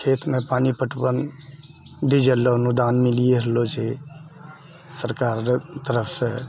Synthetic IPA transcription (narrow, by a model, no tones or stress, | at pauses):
kʰet̪ʰmẽpaːnipəʈbən | d̪id͡ʒəlonud̪anmilieɦlod͡ʒe | səɾkaɾt̪əɾəpʰsẽ